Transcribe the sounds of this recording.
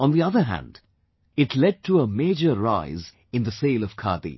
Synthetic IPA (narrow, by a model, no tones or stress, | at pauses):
ə̃nðiʌðə˞ɦæ̰̃nd | ɪʈlɛd̚ʈʰəəmeɪd͡ʒəɾaɪz | ɨ̃nðəseɪːlʌv̥kʰɑ̰d̪ḭ